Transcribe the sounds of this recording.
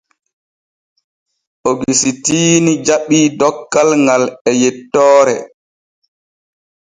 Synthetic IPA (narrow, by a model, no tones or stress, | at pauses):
ʔɔɡisitiːnid͡ʒaɓːiːdɔkːalŋɡalɛjɛtːɔːɾɛ̰